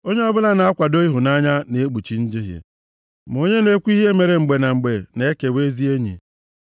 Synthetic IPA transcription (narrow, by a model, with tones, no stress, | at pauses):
o˦ɲe˦ɔ˦bʊ˦la˦na˨a˦kʷa˨do˦i˦ɦʊ˨na˦ɲa˦ne˨e˦ɡ͡bu˨t͡ʃi˨˦n̩˦di˦ɦjḛ˨ | m˨o˦ɲe˦ne˦kʷu˦i˦ɦe˦me˨ɾe˨ŋ͡m̩˨ɡ͡be˨na˨ŋ͡m̩˨ɡ͡be˨ne˦ke˨we˦zi˦e˦ɲḭ˨